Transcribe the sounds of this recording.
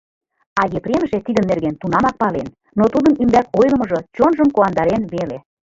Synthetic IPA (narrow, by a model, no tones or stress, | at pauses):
ɑjepɾʲemʒet̪id̪ə̆nːerɣent̪unɑmɑk̚pɑlen | not̪ud̪ə̆nymb̪ækojlə̆mɤ̆ʒɤ̆t͡ɕonʒəmkoɑnd̪ɑɾenβele